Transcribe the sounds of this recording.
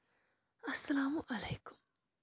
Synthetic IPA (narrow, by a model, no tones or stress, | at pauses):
ɐsːɐlaːmuʔɐleːkʊ̥m